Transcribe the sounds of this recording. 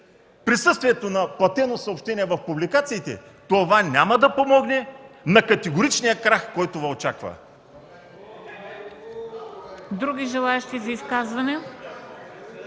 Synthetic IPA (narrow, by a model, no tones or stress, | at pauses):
pɾisɤst̪viɛt̪onɐplˠɐt̪ɛnosɐopʃt̪ɛniɛvɐfpublikat̪siːt̪ɛ̰t̪ovanʲamɐd̪ɐpomɔɡnɛnɐkɐt̪ɛɡoɾit͡ʃnijəkɾaxkɔjt̪ovɐot͡ʃakvɐ̰ | d̪ɾuɡʲiʒɛlˠaɛʃt̪izɐiskazvɐnɛ